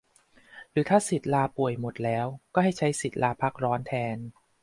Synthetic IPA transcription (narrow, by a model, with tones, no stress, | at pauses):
ɾɯː˩˦t̪ʰaː˥˩si˨˩t̪̚laː˧pu˨˩əjmo˨˩t̪̚lɛː˦˥wkɔː˥˩ɦha˥˩jt͡ɕʰa˦˥jsi˨˩t̪̚laː˧pʰa˦˥k̚ɾɔː˦˥nt̪ʰɛː˧n